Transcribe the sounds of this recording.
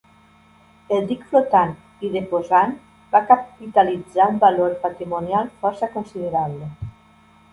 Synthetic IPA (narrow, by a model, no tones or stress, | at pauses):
elˠd̪ikflot̪an | iðefozan | bakapit̪alid͡zaumbaloɾpat̪ɾimunjalˠfɔɾsakonsið̞eɾaβle